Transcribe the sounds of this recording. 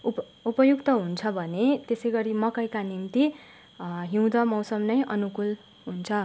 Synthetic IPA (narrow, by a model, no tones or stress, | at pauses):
upʌjukt̪ʌɦunt͡sʰʌbʱʌnet̪esʌjɡʌɾimʌkʌjkanint̪i | ɦiw̃d̪ʌmʌwsʌmnʌjʔʌnukul | ɦunt͡sʰʌ